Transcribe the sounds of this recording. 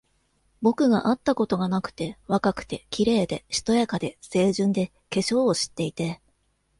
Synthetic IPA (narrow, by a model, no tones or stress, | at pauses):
bo̞kɯ̟ɡa̰ʔat̪ːako̞t̪o̞ɡanakɯ̟̥t̪e̞βakakɯ̟̥t̪e̞kʲiɾe̞ːd̪e̞ɕi̥t̪o̞jakad̪e̞se̞ːʑɨ̃nd̪e̞ | ke̞ɕo̞ːɕi̥t̪ːe̞it̪e̞